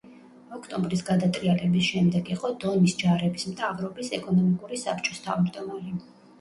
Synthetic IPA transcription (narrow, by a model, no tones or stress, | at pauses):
ɔkʰt̪ʼɔmbɾisɡad̪at̪ʼɾialɛbisʃɛmd̪ɛɡiqʼɔd̪̥ɔnisd͡ʒaɾɛbismt̪ʰavɾɔbisɛ̰kʼɔnɔmikʼuɾisa̰p̚ʰt͡ʃʼɔst̪ʰavɾd̪ɔmali